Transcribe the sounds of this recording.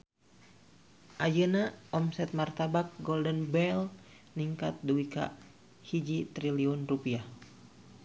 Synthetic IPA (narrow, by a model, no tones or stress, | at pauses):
ʔajənaɔmsɛt̪̚mart̪abak̚ɡɔldənbɛl | niŋkat̪̚duwika̰ | hid͡ʒit̪ɾiliɔnrupia